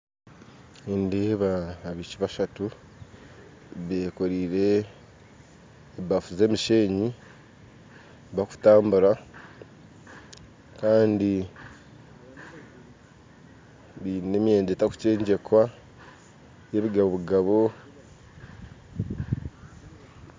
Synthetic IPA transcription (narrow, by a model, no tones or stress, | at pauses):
endeːβaːβiciβaʃatu | βe̞ːkoɾiːɾe̞ | βafuze̞ːmiʃe̞ːɲi | βaku̥taːmbuɾa | kaːndi | βiːne̞mje̞ːndetaku̥ce̞ːɲɟe̞kwa | je̞βiɡaβoβuɡaβo̞